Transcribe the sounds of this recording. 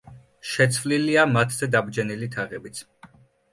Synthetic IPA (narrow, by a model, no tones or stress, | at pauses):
ʃɛt̪sʰvliliamat̪ʰzɛd̪abd͡ʒɛnilit̪ʰaʁɛbit̪sʰ